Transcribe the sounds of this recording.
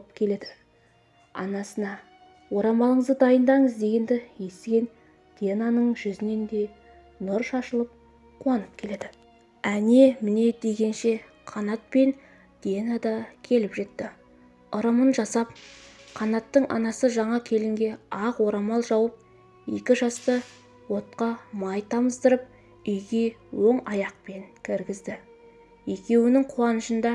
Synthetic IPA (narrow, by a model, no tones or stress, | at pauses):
p̚kʲʰe̞le̞d̪ɪ | ɑ̰nɑsənɑ | wo̞ɾɑmɑlˠəɴəzd̪əd̪ɑjənd̪ɑɴəzd̪e̞ɡʲe̞nd̪ɪje̞st̪ɡʲe̞n | d̪̥ʲenɑnəɴʒʏzɪne̞nd̪e̞ | nʊɾʃɑʃəlˠəp̚ | qʰuɑnəp̚kʲʰe̞le̞d̪ɪ | æne̞mɪne̞d̪e̞ɡʲe̞nʃe̞ | qʰɑnɑt̪̚pe̞n | d̪̥enɑd̪ɑkʲʰe̞lɪpʒe̞t̪ːɪ | ʊɾɑmənʒɑsɑp̚qʰɑnɑt̪ːəɴʔɑ̰nɑsəʒɑɴɑkʲʰe̞lɪŋɡʲe̞ɑqwoɾɑmɑlˠʒɑwəp̚ | e̞̰kʲɪʒɑst̪ə | wo̞t̪̚qɑmɑjt̪ʰɑməzd̪əɾəp̚ | ʏjɡʲe̞wo̞ɴɑjɑq̚pe̞ŋkʲʰɪɾɡʲɪzd̪ɪ | e̞kʲe̞wɪnɪŋqʰuɑnəʃənd̪ɑ